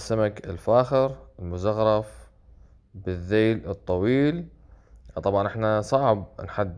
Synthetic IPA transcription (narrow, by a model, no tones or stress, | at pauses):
sːamakɪlfaːxɪɾɪlmʊzaɣɾˤɑf | bɪðːeːlɨt̪ˤːɑwiːl | t̪ˤɑbʕɑnʔɪħnasˤɑʕb̚nħad̪ː